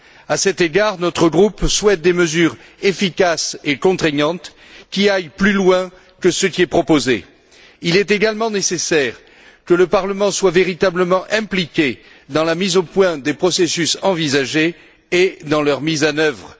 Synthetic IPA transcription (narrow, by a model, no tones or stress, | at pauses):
asɛt̪eɡaʁnɔt̪χəɡʁupswɛt̪̚d̪eməzyʁ | efikasekɔ̃t̪χɛɲɑ̃t̪ | kʲiajplylwɛ̃ | kəsəkʲiɛpχɔpozḛ | ilɛt̪eɡalmɑ̃nesesɛʁ | kələpaʁləmɑ̃swaveʁit̪abləmɑ̃ʔɛ̃plikʲe | d̪ɑ̃lamizopwɛ̃d̪epχɔsesysɑ̃vizaʒeː | d̪ɑ̃lœʁmizanœvʁ